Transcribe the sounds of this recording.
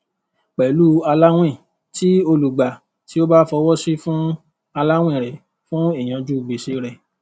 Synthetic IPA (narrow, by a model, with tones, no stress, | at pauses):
k͡pɛ˨lu˦a˧la˦w̃ĩ˦˨ | ti˦o˧lu˨ɡ͡ba˨ | ti˨˦o˦ba˦fɔ˧˦wɔ˦si˦fũ˦ | a˧la˦w̃ĩ˦˨ɾɛ˨ | fũ˦e˦˨j̃ã˨˧d͡ʒu˦˨ɡ͡be˨ʃe˧ɾɛ˨